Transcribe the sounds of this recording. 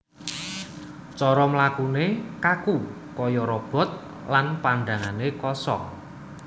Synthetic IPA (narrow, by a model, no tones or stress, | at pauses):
t͡ʃɔɾɔmlakunekaku | kɔjɔɾɔb̥ɔ̤t̪̚ | lanpaɳɖaŋanekɔsɔ̰